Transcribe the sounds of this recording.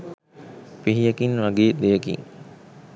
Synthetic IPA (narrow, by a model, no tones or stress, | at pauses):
piɦijəkinʋaɡeːd̪ejəkḭŋ